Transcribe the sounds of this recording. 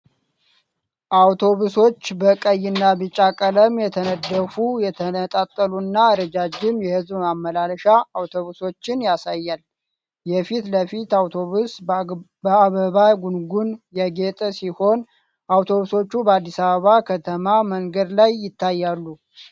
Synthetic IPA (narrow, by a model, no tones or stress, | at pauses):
ʔawt̪ʰo̞βuso̞t͡ʃːbəkʼəjːɪnːabɨt͡ʃʼːakʼələmjɛt̪ʰənəd̪ːəfujɛt̪ʰənət̪ʼat̪ʼːəlunːaɾəd͡ʒad͡ʒːɪmjɛhɨzbmamːəlalʃaːwt̪ʰo̞βuso̞t͡ʃːɪnjasajːal | jɛfit̪ləfit̪awt̪ʰo̞βus | əaβəβaɡunɡunjɛɡet̪ʼəsiho̞n | ʔawt̪ʰo̞βuso̞t͡ʃːubəad̪ːisaβəβakʰət̪ʰəmaməŋɡəd̪lajːɪt̪ʰːajːalːu